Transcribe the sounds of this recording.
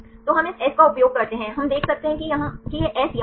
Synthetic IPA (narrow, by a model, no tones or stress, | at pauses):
t̪oːɦɐmɪsɛːskaʊpjoːɡ̚kɐɾt̪eɦɛ̃ɦɐmd̪eːkʰsɐk̚t̪eɦɛ̃kijɐɦãkijeʔɛːsj